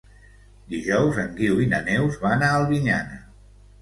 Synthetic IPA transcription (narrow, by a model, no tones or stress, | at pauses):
d̪iʒɔwzəŋɡiwinənɛwzβaənaəlˠβiɲa̰nə̰